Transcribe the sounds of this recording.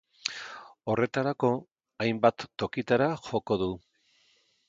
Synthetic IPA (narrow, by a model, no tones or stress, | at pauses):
o̞re̞t̪aɾako̞ | ajmbat̪ːo̞kit̪aɾaxo̞ko̞ðu